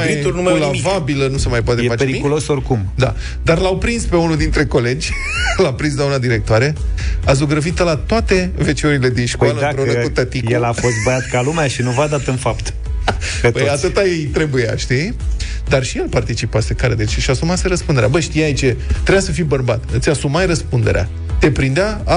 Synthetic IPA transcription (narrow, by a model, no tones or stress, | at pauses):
mjit̪unumlavabilənusemajp̬oat̪ejeat͡ʃpeɾiikulo̞sorkumd̪a̰ | d̪arlawpɾinspe̞unud̪int̪ɾe̞ko̞le̞d͡ʒʲ | lapɾinslaunad̪iɾe̞k̚t̪oaɾe̞azuɡɾəvit̪əlat̪oat̪e̞ve̞t͡ʃeoɾile̞d̪inʃkaləɨapɾoekut̪ət̪ijkelafo̞s̬t̪̚bəjat̪kalumeaʃinuvad̪ap̚t̪əɨnfapt̪ | petbəjatt̪ɨt̪ajejt̪ɾe̞buja̰ʃt̪i | d̪arʃije̞lpart̪it͡ʃipase̞kaɾed̪et͡ʃeʃiasumase̞ɾəspund̪eɾeabəʃt̪ijait͡ʃet̪ɾejasəfijbərbat̪ɨt̪sʲasumajrəspund̪e̞ɾea̰ | t̪e̞pɾind̪eaa